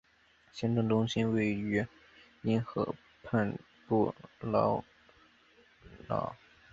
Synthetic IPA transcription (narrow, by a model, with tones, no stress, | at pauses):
ɕjɛ˥nʈ͡ʂwə˥˩ŋʈ͡ʂʊ˥ŋɕi˥nwe˥˩ɪy˧˥ | i˥nxɤ̰˧˥ | pʰa˥˧n | pu˥˩lɑ˧˥ʊ | lɑ̰˨˧˩ʊ